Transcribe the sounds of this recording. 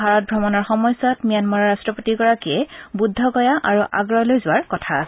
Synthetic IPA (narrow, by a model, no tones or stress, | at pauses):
bʱaɹɔt̚bʱɹɔmɔnɔɹxɔmɔjsɔtmijanmɔɹaɹastɹɔpotiɡɔɹakiɛbudʱːɔɡɔjaʔaɹuʔa̰ɡɹɔlojzʊwaɹkɔtʰas